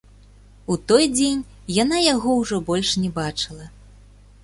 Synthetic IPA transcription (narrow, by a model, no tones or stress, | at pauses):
ut̪ɔjd͡zʲenʲ | janajaɣɔwʐɔbɔlʲʂnʲɛbat͡ʂɨlˠɐ